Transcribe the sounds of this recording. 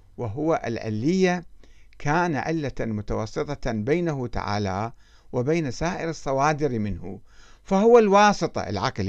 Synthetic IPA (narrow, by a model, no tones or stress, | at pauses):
wɪɦʊwaʔɪlʕɪ̰lːɪjːakʰaːnaʕɪlːamʊt̪awɑsˤːɨt̪ˤɑbeːnaɦʊt̪a̰ʕa̰ːla̰ | wɪbeːnasaːʔɪɾɨsˤːɑwɑːd̪ɪɾmɪnhṵfahʊwalwɑːsˤɨt̪ˤɑ̰ɪ̰lʕɑ̰ql